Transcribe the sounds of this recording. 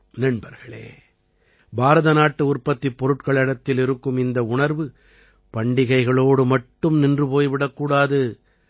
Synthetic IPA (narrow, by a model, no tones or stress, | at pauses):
nɪɳbɐɾɣɐɭḛː | bʱaːɾɐðɐnaːʈːɯʊrpːɐt̪ːipːɔɾɯʈkɐɭɛɽɐt̪ːɪlɪɾɯkːɯmɪnd̪ɐʊɳɐɾʋɯ | pɐɳɖɪɣɐɪɣɐɭoːɽɯmɐʈːɯmnɪndrɯpoːjʋɪɽɐkːuːɽaːðɯ